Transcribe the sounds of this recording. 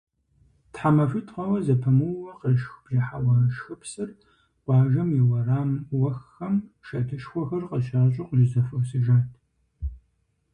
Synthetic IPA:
tħamɐfɨtʰqʷɐwɐzɐpʰɐmɨwwɐqəʃxb̥ʒɐħawɐrɐʃxɨpʰsɨr | ɡ̥ʷʼɑːʒɐmjɪwɐraːmwɐxɐmʃɐtʰɨʃxʷɔxɐrqəʃaːɕʼɪqʷʼʒɪzɐfɐwsɨʒaːtʰ

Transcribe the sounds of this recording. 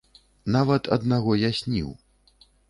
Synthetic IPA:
navɐt̪ʰɐ̰d̪naɣɔjasʲnʲḭw

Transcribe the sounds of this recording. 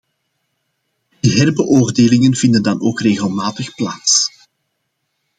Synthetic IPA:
d̥iɦɛrbəʔoːrdeːlɪŋənv̥ɪndəndɑnoːkreːɣəlˠmaːtəxplaːts

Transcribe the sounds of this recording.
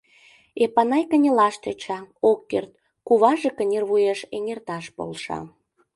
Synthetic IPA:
epɑnɑjkənʲelɑʃt̪et͡ɕɑokːert̪̚ | kuβɑʒekənʲerβujeʃeŋert̪ɑʃpo̰lʃɑ̰

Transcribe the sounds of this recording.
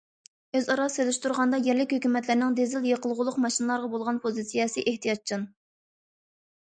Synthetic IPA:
øzɑɾɑsølɪʃt̪ʰuɾʁɑnd̪ɑjɛɾlɪkʲhøkʲymɛt̪lɪɾnɪŋd̪ezɪljeqəlˠʁʊlˠʊqmɑʃinɨlˠɑɾʁɑbolˠʁɑnpʰozɨsijɛsɨʔeht̪ijɑt͡ʃʰɨn

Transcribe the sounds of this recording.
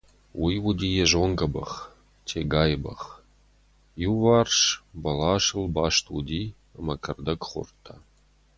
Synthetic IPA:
wijwʊd̪ʲiːjɛʒoŋɡʼɐbɐ̰χ | tʰeɡaːjbɐ̰χ | juvarʂbɐlaːʃɨlbaːʃt̪ʰwṵd̪iː | ɐmɐkʰɐrd̪ɐkχʷʊ̰rt̪ʰːa

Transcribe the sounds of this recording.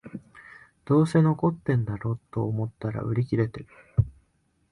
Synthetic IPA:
d̪̥o̞ːse̞no̞ko̞t̪ːẽ̞nd̪aɾo̞ːt̪ːo̞ːmo̞t̪ːaɾa̰ɯ̟ɾʲikʲiɾe̞t̪e̞ɾɯ̟

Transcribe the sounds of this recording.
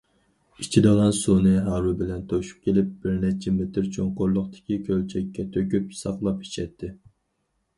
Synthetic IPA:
it͡ʃʰid̪ɨʁɑnsunɨɦɑɾubɪlɛnt̪ʰoʃu̥p̚kʲʰelɪp̚b̥ɪɾnɛt͡ʃʰɛmɪt̪ɪɾt͡ʃʰoŋqoɾlˠʊχt̪ɪ̥kʲikʲʰølt͡ʃʰɛkʲːɛt̪ʰøkʲypsɑqlˠɑpi̥ʃɛt̪ʰːɪ

